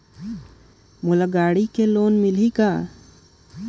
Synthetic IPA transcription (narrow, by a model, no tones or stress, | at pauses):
mulaɡaːɽikeloːnmilika